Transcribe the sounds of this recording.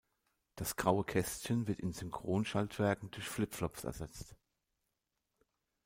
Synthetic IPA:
d̥asɡ̥ʁaʊəkʰɛstçənvɪɐtɪnzʏŋkʁ̥oːnʃaltv̥ɛɐkŋ̩dʊɐçflɪpflɔpp͡fɛ̰ɐzɛt͡st

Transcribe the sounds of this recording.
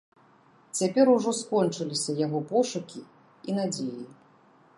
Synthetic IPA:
t͡sʲapʲɛɾuʐɔskɔnt͡ʂɨlʲisʲɐjaɣɔpɔʂukʲi | in̪ad͡zʲeji

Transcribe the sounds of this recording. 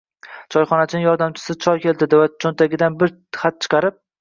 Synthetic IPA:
t͡ʃʰɒjχɒnat͡ʃʰɪnɪŋjɒɾd̪amt͡ʃʰɪ̥sɪt͡ʃʰɒjkʲe̞ld̪ɪd̪ɪvat͡ʃʰont̪aɡʲɪd̪anbɪɾ | χat̪̚t͡ʃʰɨ̥qʰɑɾɪp̚

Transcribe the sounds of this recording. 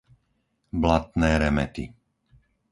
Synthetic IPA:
blat̪nɛːɾɛmɛ̰t̪ḭ

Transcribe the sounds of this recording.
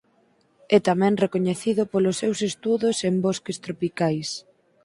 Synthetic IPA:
ɛt̪amɛ̃ŋrekoɲeθiðʊpolosːewsest̪uðʊsembɔskest̪ɾopikajs

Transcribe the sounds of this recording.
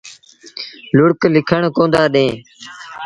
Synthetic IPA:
lʊɽklɪkʰəɳkõːnd̪aːɗẽː

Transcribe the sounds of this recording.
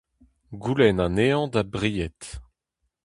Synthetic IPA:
ɡulɛnãneɑ̃d̪abʁijɛt̪

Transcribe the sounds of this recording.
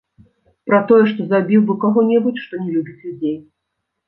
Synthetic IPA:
pɾɐt̪ɔjɛʂt̪ɔzabʲiwbɨkaɣɔnʲɛbut͡sʲʂt̪ɔnʲɛlʲubʲit͡sʲlʲud͡zʲej

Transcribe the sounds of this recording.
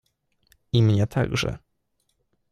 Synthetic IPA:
imɲɛt̪ʰa̰ɡʐɛ̰

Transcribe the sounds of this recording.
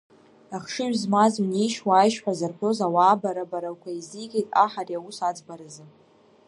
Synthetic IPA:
aχʂɨɥᶣzmazuniʃwaːjʃħʷᶣazarkʷʰozawaːbaɾabaɾakʷʰaiziɡʲʼejtʼa̰ħarjausad͡zbaɾɨzɨ

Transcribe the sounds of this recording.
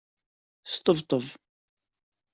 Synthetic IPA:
st̪ˤəvt̪ˤəv

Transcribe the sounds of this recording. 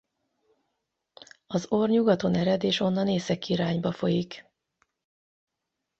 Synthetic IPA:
ɒzorɲuɡɒt̪o̞nɛɾɛd̪eːʃo̞nːɒneːsɛkːiɾaːɲbɒfo̞jik

